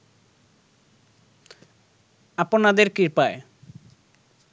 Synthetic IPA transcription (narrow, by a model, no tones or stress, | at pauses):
aponad̪eɾkiɾpae